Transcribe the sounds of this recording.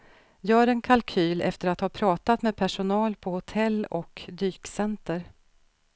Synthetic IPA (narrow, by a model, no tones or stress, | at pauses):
jœːɖɛnkʰalkʰyːlɛ̰ft̪əɾat̪hɑːpʰɾɑːt̪at̪meːpʰæʂʊnɑːlpʰɔhʊt̪ʰɛlːɔkd̪yːksɛnt̪əɾ